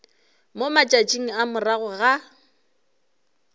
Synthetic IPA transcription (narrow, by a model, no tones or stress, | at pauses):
momat͡ʃʼat͡ʃʼiŋ̩amʊraɣʊɣa